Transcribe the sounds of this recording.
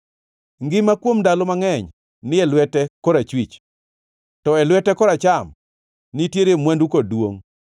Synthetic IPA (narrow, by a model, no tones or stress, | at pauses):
ŋɡɪmakwomdalomaŋɛɲ | nɪɛlwɛtɛkɔɾat͡ʃwit͡ʃ | tɔɛlwɛtɛkɔɾat͡ʃam | nɪtjeɾemwandukodwo̰ŋ